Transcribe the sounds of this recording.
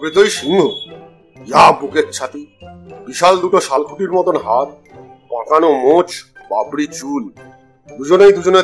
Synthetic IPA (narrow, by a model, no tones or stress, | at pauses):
bɾit̪ojʃiŋɡʱo | jabuket̪t͡ɕʰat̪ibiʃald̪uʈoʃalkʰuʈiɾmɔt̪onɦaɾ | pãkanomot͡ɕ | babɽit͡ɕul | d̪ud͡ʑonejd̪ud͡ʑone